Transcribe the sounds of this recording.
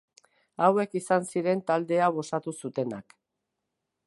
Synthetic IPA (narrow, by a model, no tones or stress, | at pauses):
awe̞kisansiɾe̞nt̪ald̪e̞aβ̞o̞sat̪usut̪e̞nak